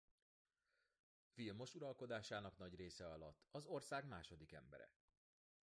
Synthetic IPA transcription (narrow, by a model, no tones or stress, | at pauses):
filmo̞ʃuɾɒlko̞d̪aːʃaːnɒknɒɟreːsɛɒlɒt̪ːɒzo̞rsaːɡmaːʃod̪ikɛ̰mbɛ̰ɾɛ̰